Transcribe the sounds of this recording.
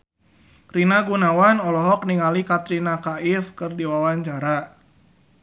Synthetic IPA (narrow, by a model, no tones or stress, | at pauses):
rinaɡunawanɔlɔɦɔk̚niŋalikat̪ɾinakaɪfkɨrdiwawaɲt͡ʃaɾa